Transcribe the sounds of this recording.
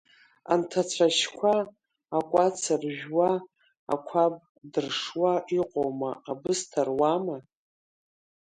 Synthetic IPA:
a̰ntʰat͡ɕʷʰaʃkʷʰaː | kʷʼat͡sʰɨrʒᶣwa | a̰kʷʰab̚ʼ | dɨrʂwaiqʼowma̰abɨstʰarwama

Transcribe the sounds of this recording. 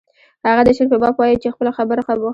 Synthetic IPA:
haɣad̪əʃiɾpebɑbwɑjit͡ʃexpəlaxabəɾaxabo

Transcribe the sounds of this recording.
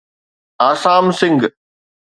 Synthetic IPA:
aːsaːmsɪ̃ŋɡ

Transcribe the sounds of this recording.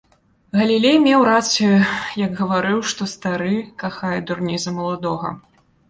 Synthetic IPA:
ɣɐlʲilʲejmʲɛwɾat̪sɨjujɐɡɣɐvaɾɨwʂt̪ɔst̪aɾɨkaxajɛd̪urnʲizɐmɐlˠad̪ɔɣɐ̰

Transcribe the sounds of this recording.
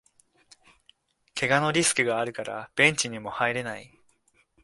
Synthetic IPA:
kʰe̞ɡano̞ɾʲisɨ̥kɯ̟ɡaːɾɯ̟kaɾa̰b̥ẽ̞ɲt͡ɕiɲ̟imo̞haiɾe̞nai

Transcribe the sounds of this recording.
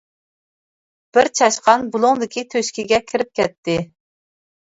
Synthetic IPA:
b̥ɪɾt͡ʃʰɑʃqɑnbulˠʊŋd̪ɪkʲit̪ʰøʃkʲiɡʲɛkʲʰiɪɾɪp̚kʲɛt̪ʰːɪ

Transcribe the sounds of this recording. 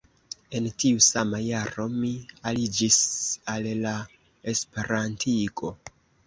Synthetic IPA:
e̞ntiusamajaɾo̞mialid͡ʒisalla | e̞spe̞ɾantʰiko̞

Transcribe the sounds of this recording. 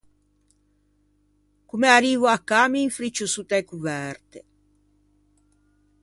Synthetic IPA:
kumeaɾiːvoakːamiːɱfɾit͡ʃːosut̪ɛkuvɛɾt̪e

